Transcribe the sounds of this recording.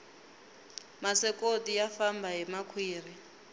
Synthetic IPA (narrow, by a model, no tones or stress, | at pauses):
masɛkodijafambaɦimakʰwiːr̤i